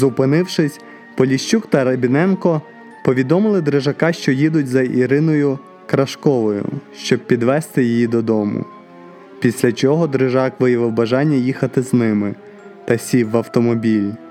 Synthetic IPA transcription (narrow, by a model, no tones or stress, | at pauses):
zʊpɪnɪwʃɪsʲ | pɔlʲiʃt͡ʃukt̪ɐɾɐbʲinɛnkɔ | pɔʋʲid̪ɔmɪlˠɪd̪ɾɪʒɐkɑʃt͡ʃɔjid̪ʊtʲzɐʔiɾɪnɔjʊ | kɾɐʃkɔʋɔjʊ̰ʃt͡ʃɔb̚pʲid̪ʋɛst̪ɪjijid̪ɔd̪ɔmʊ̰ | pʲisʲlʲɐt͡ʃɔɦɔd̪ɾɪʒɑkʋɪjɐʋɪwbɐʒɑnʲːɐjixɐt̪ɪznɪmɪ | t̪ɐsʲiʋɐwt̪ɔmɔbʲilʲ